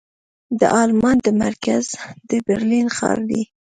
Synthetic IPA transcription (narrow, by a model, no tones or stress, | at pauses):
d̪ə̰ʔɑlmɑnd̪əmaɾkazd̪əbeɾlinxɑ̰ɾd̪i